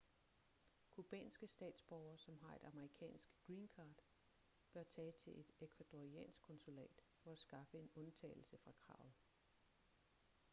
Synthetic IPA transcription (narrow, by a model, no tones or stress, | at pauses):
kʰub̥ɛ̰ːnsɡ̥əsd̥ɛ̰ːd̥sb̥ɒʊɐːsɒ̽mɦɑ̈e̝d̥ɑ̈məʁikʰɛ̰ːnsɡ̥ɡ̥ʁiːnkʰɑ̈ːd̥ | b̥ɶɐt͡sʰɛːt͡sʰe̝ʔe̝d̥ekʰʋæd̥oʁiɛ̰ːnsɡ̥kʰɔ̽nsulɛ̰ːd̥fɒ̽æsɡ̥ɑ̈fəe̝nɔ̽nt͡sʰɛ̰ːl̩səfʁɑ̈kʰʁɑ̈ʊð̩ˠ